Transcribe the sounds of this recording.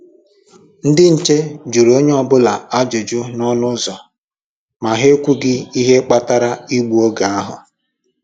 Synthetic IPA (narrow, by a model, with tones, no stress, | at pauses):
n̩˦dɪ˦n̩˨t͡ʃe˦d͡ʒu˨ɾo˦ɲe˦ɔ˦bʊ˦la˨a˦d͡ʒʊ˨d͡ʒʊ˦nɔ˦nʊ˦zɔ˨ | ma˨ɦe˦kʷu˦ɡɪ˦i˦ɦe˦k͡pa˦ta˦ɾa˦i˦ɡ͡bu˨o˦ɡa˨a˦ɦʊ̰˨